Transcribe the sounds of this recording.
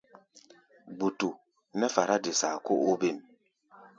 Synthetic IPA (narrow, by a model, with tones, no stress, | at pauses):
ɡ͡bu˨tu˨ | nɛ˦fa˨ɾa˦di˨sa˨ko˦ʔu˦bi˦˨m